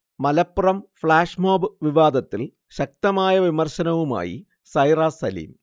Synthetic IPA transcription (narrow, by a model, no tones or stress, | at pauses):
mɐlɐpːurɐmfɭaːʂmoːbɨʋiʋaːd̪ɐt̪ːil | ɕɐk̚t̪ɐmaːjɐʋimɐrɕɐnɐʋuma̰ːjḭ | sɐjraːsɐlḭːm